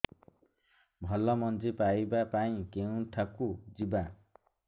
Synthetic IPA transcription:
bʱʌlːʌmʌnd͡zipajbapaĩkeũʈʰakud͡ziba

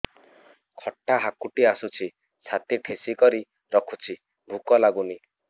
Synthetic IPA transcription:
kʰɔʈːaɦakuʈiasut͡ʃʰi | sʰat̪iʈʰesikɔɾi | ɾɔkʰut͡ʃʰi | bʱukɔlaɡuni

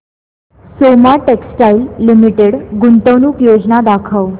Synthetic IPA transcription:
somaʈeksʈailːimiʈeɽɡunt̪əʋnuːkjod͡znad̪akʰəw

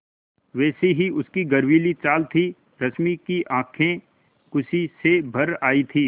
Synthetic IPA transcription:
ʋɛːseɦiʊskiɡɐɾʋiːlit͡ʃaːlt̪ʰi | ɾɐsmikiʔãːkʰẽ | kʊsisebʱɐɾaːit̪ʰiː

